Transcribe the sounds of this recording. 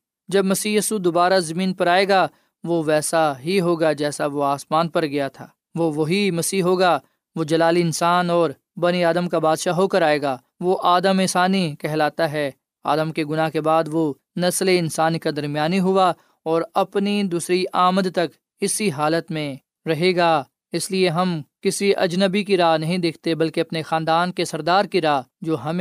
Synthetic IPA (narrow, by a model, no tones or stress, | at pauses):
d͡ʒɐbmɐsiːjiːsud̪oːbaːɾazɐmĩːnpɐɾaːeɡa | ʋoːʋɛːsaɦiɦoːɡad͡ʒɛːsaʋoaːsmaːnpɐɾɡɐjat̪ʰaː | ʋoʋɐɦimɐsiːɦoːɡa | ʋod͡ʒɐlaːliɪnsaːnɔːɾ | bɐniaːd̪əmkabaːd̪ʃaɦoːkəɾaːeːɡaː | ʋoʔaːd̪əmɪːsaːnikɛɦlaːt̪aɦɛː | aːd̪əmkeɡʊnakebaːd̪ʋo | nɐsleɪnsaːnikad̪ɐɾmijaːniɦʊa | ɔːɾɐpnid̪uːsɾiʔaːməd̪t̪ɐk | ɪsiɦaːlət̪mẽ | ɾɐɦeːɡaː | ɪslieɦɐmkɪsiʔɐ̰d͡ʒnəbikiɾaːɦnɐɦĩd̪eːkʰt̪ebɐlkeɐpnexãːnd̪aːnkesɐɾd̪aːɾkiɾaːd͡ʒoːɦɐm